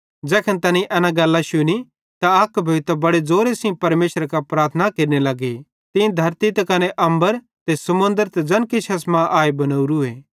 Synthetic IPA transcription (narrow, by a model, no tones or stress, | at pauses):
d͡ʒɛːkʰənt̪ɐnĩʔɛːnaɡɐlːaʃʊni | t̪aɐkbʱɐʋt̪bɐɽed͡zoːɾesĩpɐɾmeːʃɾkapɾaːɾt̪ʰənakeːɾnelɐɡe | t̪ɪ̃d̪ʱɐɾt̪it̪ɐkɐneʔɐ̃mbəɾ | t̪esɐmʊ̃nd̪əɾt̪ed͡ʒɐnkiʃʰɐsmãʔaːebɐnɐuɾueː